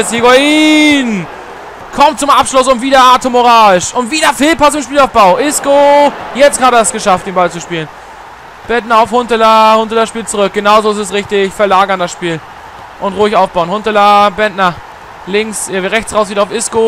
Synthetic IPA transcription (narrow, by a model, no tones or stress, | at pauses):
shiɡoin | kʰɔmtt͡sʊmʔapʃlʊsʊntv̥iːdɐaːtʰomoʁaːɪʃʔʊntviːdɐfɪːlpʰasɪmʃpiːlaʊfb̥aʊʔɪskojɛt͡stɡaːdɛsɡ̥əʃaftd̥eːnbalt͡suʃpiːlən | b̥ɛt̚nɐaʊfhʊntəlahʊntəlɐsʃpiːlt͡suʁʏk̚ɡ̥ənaʊzoɪstɛs̬ʁɪçtɪçfɛɐlaːɡɐndasʃpiːl | ʔʊntʁʊːɪçaʊfb̥aʊənhʊntəlabɛntnɐ | lɪŋksʁɛçt͡sʁaʊs̬viːtaʊfɪsko